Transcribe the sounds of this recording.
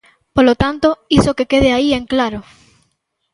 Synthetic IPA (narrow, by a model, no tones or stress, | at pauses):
polot̪ant̪oisokekeð̞eaieŋklaɾo